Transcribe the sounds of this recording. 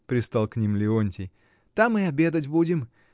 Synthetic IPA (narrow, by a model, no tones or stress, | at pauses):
pɾʲɪst̪alˠknʲimlʲɪonʲtʲɪj | t̪amːɨɐbʲed̪ətʲbudʲɪm